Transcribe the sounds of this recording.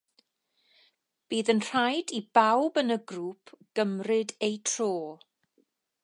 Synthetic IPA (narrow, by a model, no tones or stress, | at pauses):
b̥iːðənr̥ajdib̥awbənəɡruːpʰɡ̥əmrɪdejtʰroː